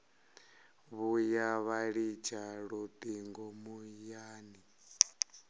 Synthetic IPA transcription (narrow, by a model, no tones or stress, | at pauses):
βujaβaɺit͡ʃʰaɺud̪ʼiŋɡɔmujaːni